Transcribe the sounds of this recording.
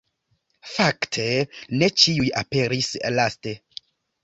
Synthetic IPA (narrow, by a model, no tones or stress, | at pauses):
faktʰe̞ne̞t͡ʃiuja̰pe̞ɾislaste̞